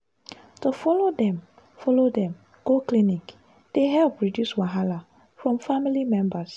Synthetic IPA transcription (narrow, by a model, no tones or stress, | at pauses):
tufɔlodɛ̃m | fɔlodɛ̃m | ɡ̥oklinik | d̥eɦɛlpɹidjuswaɦala | fɹɔ̃mfamilimɛ̃mbas